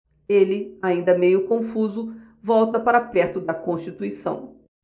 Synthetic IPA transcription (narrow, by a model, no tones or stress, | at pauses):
elɪaĩnd̪ɐmejʊkõfuzʊ | vɔwt̪ɐpaɾɐpɛɾt̪ʊd̪ɐkõʃt͡ʃit̪uisɐ̰̃w̃